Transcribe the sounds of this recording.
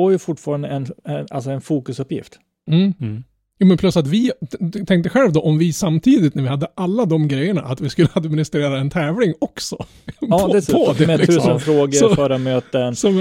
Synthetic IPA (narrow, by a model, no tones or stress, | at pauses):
oɾjɵfʊʈfɑːɾand̪əɛnɛa̰lsɔɛnfuːkɵsɵpjɪ̰ft̪ | m̩ː | juːmɛnpʰlɵsːat̪vɪt̪ʰɛŋk̚t̪əɧɛlvd̪ɔʔɔmvɪsamːt̪ʰiːd̪ɪt̪næɾvɪhad̪ːəʔalːad̪ɔmɡɾɛjːəɳaʔat̪vɪskɵlːəad̪mɪnɪst̪ɾeːɾaɛnt̪ʰɛːvlɪŋɔksɔ | p̪ʰːɛpʰɔd̪ɛʉsːsnfɾoːɡəɔfœːɾamøːt̪ənsɔm